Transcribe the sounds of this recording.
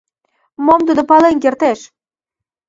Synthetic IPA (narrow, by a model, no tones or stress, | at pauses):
momt̪ud̪opɑlenk̬ert̪eʃ